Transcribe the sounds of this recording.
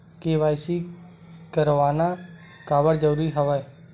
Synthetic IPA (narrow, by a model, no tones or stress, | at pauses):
keːʋaːjsi | kəɾʋaːna | kaːbəɾd͡ʒəɾuːɾiɦəʋaj